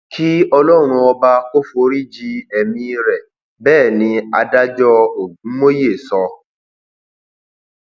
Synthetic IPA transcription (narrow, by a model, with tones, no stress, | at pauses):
kʰi˦ɔ˧lɔ˦ɾ̃ũ˧ɔ˧ba˧ko˦fo˧ɾi˦d͡ʒi˧ɛ˨mĩ˧ɾɛ˨ | bɛː˦˨nĩ˧a˧da˦d͡ʒɔ˦˨˦mo˦je˦˨sɔ̃˧